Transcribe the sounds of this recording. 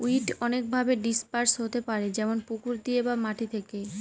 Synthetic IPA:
uiʈɔnek̚bʱabeɖispaɾsɦot̪epaɾed͡ʑɛmonpukuɾd̪iebamaʈit̪ʰeke

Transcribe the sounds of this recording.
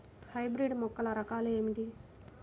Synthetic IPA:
hɐjbɾiɖmɔkːɐlɐɾɐkaːlue̞ːmiʈi

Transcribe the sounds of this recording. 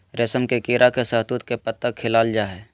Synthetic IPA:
ɾeːsəmkekiːɾʔakesəɦt̪ut̪kepət̪ːəkʰːɪlaːld͡ʒaːɦɛː

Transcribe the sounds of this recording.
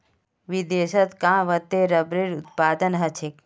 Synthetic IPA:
ʋid̪eːʃɐt̪kãːʋɐt̪eɾɐbɾiɾʊt̪̚paːd̪ənɦɐt͡ʃʰik

